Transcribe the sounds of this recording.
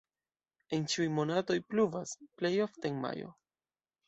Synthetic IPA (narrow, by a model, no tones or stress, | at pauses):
e̞nt͡ʃiujmo̞nato̞jpluvasple̞jo̞fteeŋma̰jo̞̰